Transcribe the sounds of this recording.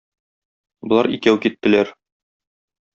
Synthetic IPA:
bŏlˠɑɾikæwkit̪ːɘ̆læɾ

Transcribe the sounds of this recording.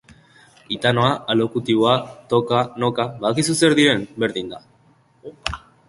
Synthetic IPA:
it̪ano̞aalo̞kut̪iβo̞at̪o̞kano̞kaβaðakisuse̞ɾðiɾe̞mbe̞ɾðind̪a

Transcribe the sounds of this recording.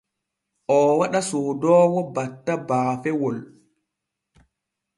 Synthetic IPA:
ʔɔːwaɗasoːdɔːwɔbatːabaːfɛwɔl

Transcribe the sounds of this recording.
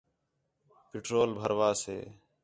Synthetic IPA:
pɪʈɾoːlbʱəɾʋaːsḛː

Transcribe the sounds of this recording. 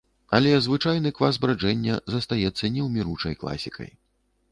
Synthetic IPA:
ɐlʲɛzvɨt͡ʂajn̪ɨkvazbɾad͡ʐɛnʲːɐzɐst̪ajɛt̪sːɐnʲɛwmʲiɾut͡ʂɐjklˠa̰sʲikɐ̰j

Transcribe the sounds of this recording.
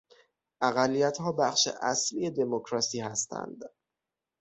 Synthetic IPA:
ʔæɣælːijæt̪hɒːbæχʃḛʔæsliːje̞d̪e̞mokʰɾɒsiːhæst̪ʰæ̰nd̪̥

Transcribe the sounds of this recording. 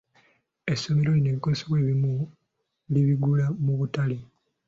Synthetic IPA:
e̞sːo̞me̞ɾo̞lineβiko̞zesoβwe̞ːβimu | liβiɡulamuβutale

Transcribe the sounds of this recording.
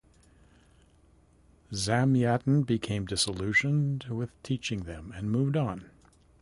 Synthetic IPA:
zæ̃mjæʔn̩bɨkʰẽɪ̃mdɪsəlʉʃɨ̃ndwɪð̥tʰit͡ʃɪ̃ŋðɨ̃mɨ̃nmuvdn̩

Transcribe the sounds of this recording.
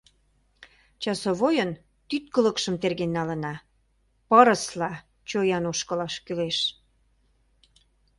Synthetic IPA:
t͡ɕɑsoβojən | t̪yt̪̚kə̆lə̆kʃəmt̪erɣenːɑlə̆nɑ | pəɾə̆slɑ | t͡ɕojɑnoʃkə̆lɑʃkyleʃ

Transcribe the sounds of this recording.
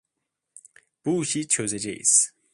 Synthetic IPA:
b̥uːʃit͡ʃʰozed͡ʒḛḭs

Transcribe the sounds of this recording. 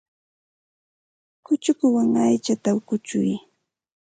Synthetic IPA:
kʊt͡ʃʊkʊwaŋajt͡ʃat̪aʊkʊt͡ʃʊ̰j

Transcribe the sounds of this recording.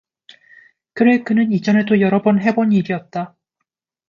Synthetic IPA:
kɯɾeɭkɯnɯnid͡ʑʌne̞dojʌɾʌbʌnɦe̞boɲiɾiʌt̚t͈a

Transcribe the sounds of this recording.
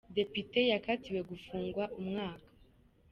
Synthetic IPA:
de̞pite̞jakatiwe̞ɡufuːŋɡwaʔumŋaːkḁ

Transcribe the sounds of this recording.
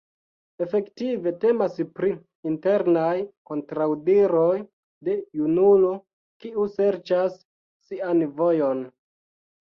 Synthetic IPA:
e̞fe̞ktive̞te̞maspɾi | inte̞ɾnajko̞ntɾawdiɾo̞j | de̞junulo | kiuse̞ɾt͡ʃasː | ianvo̞jo̞n

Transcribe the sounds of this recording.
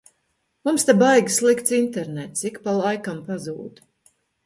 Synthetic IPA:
mumst̪abajɡʲislˠikt̪sint̪eɾnɛt̪sikpalˠajkampazuːd̪

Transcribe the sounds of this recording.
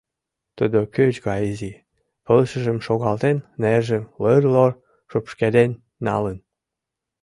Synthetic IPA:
t̪əd̪okøt͡ɕɣɑizi | pəlʃə̆ʒə̆mʃoɣɑlt̪enneʒə̆mlərlor | ʃopʃked̪enːɑ̰lən

